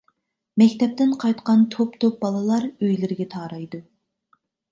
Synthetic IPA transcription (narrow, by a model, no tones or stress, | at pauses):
mɛkʲt̪ɛp̚t̪ɪnqʰɑjt̪qɑnt̪ʰopt̪ʰop̚bɑlˠɨlˠɑɾøjlɪɾɡʲɛt̪ʰɑːɾɑjd̪u